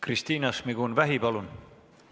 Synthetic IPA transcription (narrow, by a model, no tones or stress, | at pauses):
krist̪iːnɑsmiɡunvæɦipɑlun